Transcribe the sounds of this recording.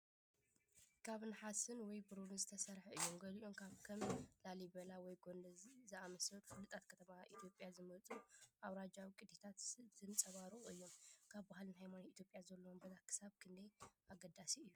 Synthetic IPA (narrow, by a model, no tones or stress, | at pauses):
kʰaβɨnħasɨnwɔjbɨɾuɾɨnzɨt̪ʰɐsɐɾħɐɨjːo̞mɡɐliʔo̞mkʰaβkʰɐmlalibɐlawɔjɡo̞nd̪ɐzɨamɐsɐt̪fɨlːɨt̪ʰʼat̪kʰɐt̪ʰɐmaʔit̪ʰjo̞pʼjazɨmɐt͡sʼuʔaβɾad͡ʒawikʼɨd̪et̪ʰat̪z̥ɨnt͡sʼɐβaɾɨχʼɨjːo̞mkʰaβbahlɨnɦajmanit̪ʰjo̞pʼjazɐlːɐwmbɐlakʰɨ̥saβkʰɨnd̪ɐjʔaɡɐd̪asiɨjːu